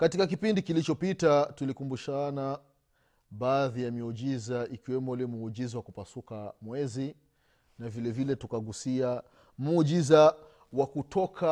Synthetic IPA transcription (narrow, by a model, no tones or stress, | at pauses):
katikak̬ipindikilit͡ʃɔpitatulikumbuʃana | ɓaːðijamiɔd͡ʒizaʔikiwɛmɔlɛmuud͡ʒizawakupasukamwɛzi | navilɛvilɛtukaɠusia | muuʄiza | wakutʰɔkʰa